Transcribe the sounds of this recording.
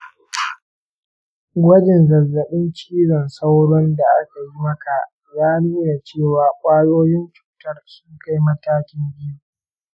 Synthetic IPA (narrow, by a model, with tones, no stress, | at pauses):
ɡʷɐ˦d͡ʒɪ˨nzɐ˨zːɐ˨ɓɪ˦nt͡ʃiː˦zɔ˨nsa˦wɽɔ˦nda˨ʔa˦ka˨ji˦mɐ˦ka˨ʔ | jaː˦nuː˦na˨t͡ʃeː˦˨waː˨kʷʼaː˦joː˦jɪ˦nt͡ʃu̥ː˨tɐ˦rsʊ˦ŋka˦jmɐ˦taː˦kʲɪ˦mbɪ˦ju˦˨